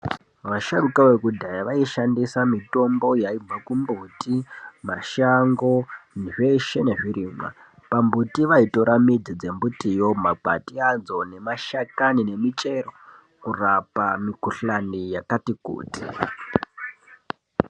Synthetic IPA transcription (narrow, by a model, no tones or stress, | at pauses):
ʋaʃarukawekudʱajaʋaiʃandisamito̞mbo̞jaib͡vakumbutima̰ʃaŋɡo̞nʐe̞ʃe̞ne̞ʐiɾiːmwa̰ | pambutiʋaitoɾamid͡zid͡ze̞mbutijo̞maɡʱa̰tiad͡zo̞ne̞maʃakanine̞mit͡ʃe̞ro | kurapamikuɬanijakatikṵːti